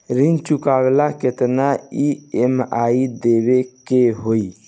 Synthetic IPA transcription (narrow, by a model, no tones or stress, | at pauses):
ɾint͡ʃukabelaket̪naiemaid̪ebekeɦoi